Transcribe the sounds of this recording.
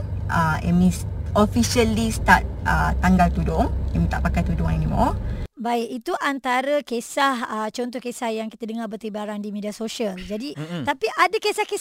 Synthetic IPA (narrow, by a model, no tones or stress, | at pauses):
ʔaʔɛ̰mĩs | ofiʃəlist̪at̪̚ət̪ːaŋɡalt̪udɔŋɛ̰mĩt̪a̰ʔpakajt̪udɔŋɛnimɔ̰baɪkit̪uʔant̪aɾəkesahət͡ʃɔnt̪ɔhkesahjaŋkit̪ədəŋarbərt̪ibaɾandimediasoʃəld͡ʒadit̪apiʔadakesahke